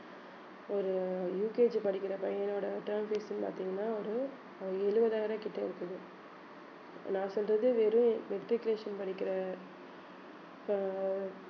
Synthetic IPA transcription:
ɔɾɯjuːkeːd͡ʒpɐɽɪkːɪɾɐpɐjɐnoːɽɐʈɐɾmfeːsɐnpa̰ːɾt̪iŋɡɐnːaːɔɾɯ | ɐɛɻɯʋɐðaːɪɾãːkɪʈːɐɪɾɯkːɐðɯ | nãːsɔlrɐðɯʋeːɾɯ̃ʋɛk̚ʈ̪ɾɪkleːʂɐnpɐɽɪkːɪɾɐ | p

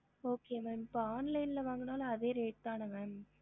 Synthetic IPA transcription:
oːkeːɐʋɐnpaːnlɐɪnlɐʋaːŋɡɐnaːlɐːðeːɾeːʈ̚t̪aːnɐŋɡɐn

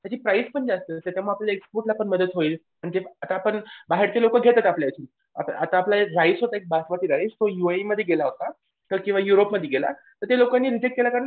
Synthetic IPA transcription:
t̪jat͡ɕiːpɾaispəɳd͡ʑast̪əːt̪jat̪jam̤əaplalaekspoɾʈlapəɳməd̪ət̪ɦoiːl | pəɳit̪eat̪aːpəɳbaɦeɾt̪elokəɡʱet̪at̪apljaet͡ɕʰiːn | a̰t̪at̪aːplaeɾaisɦot̪aek̚basʋat̪iːɾaist̪ojuaiməd̪ʱjeɡelaɦot̪a | t̪əkĩʋajuɾopməd̪ʱjeɡela̰t̪əɾt̪elokanːiːɾid͡ʑekʈ̚kelakaɾən

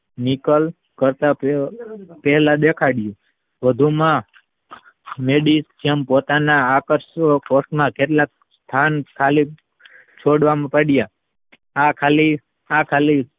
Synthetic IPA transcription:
nikəl | kəɾt̪a | pɛɦɛlad̪ekʰaɽjũ | ʋəd̪ʱumã | meɖisd͡ʒempot̪anaːkəɾsokosʈmãket̪lak | st̪ʰankʰːali | t͡ʃʰoɽʋamãpəɽja | akʰali | akʰali

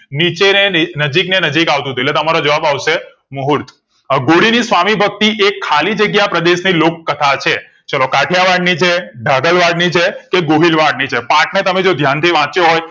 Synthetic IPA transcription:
nit͡ʃenenəd͡ʒiknenəd͡ʒikaʋt̪ũt̪uetlet̪əmaɾod͡ʒəʋabaʋʃe | muɦuɾt̪ʰ | ɡoɽinisʋamibʱək̚t̪iʔekʰːalid͡ʒəɡjapɾəd̪eʃnilokːət̪ʰat͡ʃʰe | t͡ʃəlokaʈʰjaʋaɖnit͡ʃʰeɖʱaɡəlʋaɖnit͡ʃʰekeɡoɦilʋaɽnit͡ʃʰepãʈnet̪əmed͡ʒod̪ʱjant̪ʰiʋãt͡ʃjoɦoj

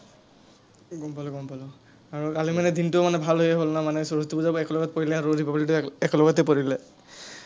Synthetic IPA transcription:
ɡɔmpalɔɡɔmpalɔ | aɹukalimanɛdintʊmanɛbʱalɦojɛɦolnamanɛsɔɹɔstubuzabɛklɔɡɔt̚poɹilɛaɹudipapalitʊɛklɔɡɔtɛpoɹilɛ

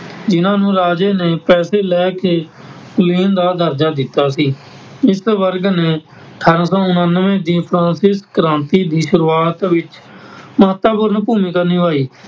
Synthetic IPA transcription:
d͡ʒɪnãːnũːɾaːd͡ʒeːneːpɛːseːlɛːkeː | kliːnd̪aːd̪əɾd͡ʒaːd̪ɪt̪ːaːsiː | ɪsʋəɾɡneː | ʈʰəɾsɔ̃ːʊnənːʋẽːd̪iːpʰɾãːnsɪskəɾãːnt̪iːd̪iːʃʊɾuːaːt̪ʋɪt͡ʃməɦət̪ːaːpʊɾnpuːmĩːkəɾniːʋaːiː

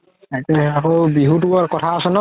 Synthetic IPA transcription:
atɛakowbiɦut̬uaɹkɔtʰaːsɛnɔ

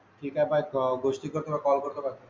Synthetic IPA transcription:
ʈʰikabajɔɡoʃʈikoɾt̪omakɔlkoɾt̪okaɾt̪

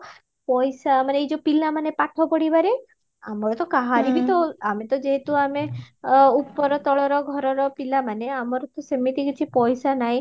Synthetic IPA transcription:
pɔjsamaneejd͡ʒopilamanepaʈʰɔpɔɽibaɾe | amɔɾɔt̪ɔkaɦaɾibit̪ɔamet̪ɔd͡ʒeɦet̪uame | upːɔɾɔt̪ɔɭɔɾɔɡʱɔɾɔɾɔpilamaneamɔɾɔt̪ɔsemit̪ikit͡ʃʰipɔjsanaɦj̃

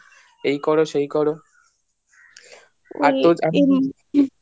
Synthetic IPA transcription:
ejkɔɽoʃeikɔɽo | aoa

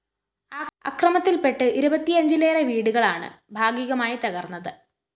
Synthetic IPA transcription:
aɐ̰krɐmɐt̪ːilpe̞ʈːɨʔiɾubɐt̪ːiɐɲd͡ʑileːreʋiːɽuɣɐɭaːɳɨ̰bʱaːɡiːɣɐmaːjit̪ɐɣɐrnːɐðɨ

